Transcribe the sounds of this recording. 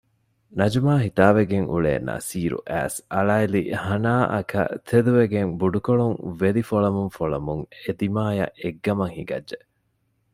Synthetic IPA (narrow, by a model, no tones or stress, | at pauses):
nɐd͡ʒumaːɦit̪aːʋeɡeŋʔṵɭḛːnɐ̰siːɾṵʔæ̰ːsɐɭaːilḭhɐnaːʔɐkɐ̰t̪ʰed̪uʋeɡeŋbuɖukoɭuŋʋelifoɭɐmuŋfoɭɐmuŋed̪imaːjɐ̰ʔeɡːɐmɐŋhiɡɐ̰dʒe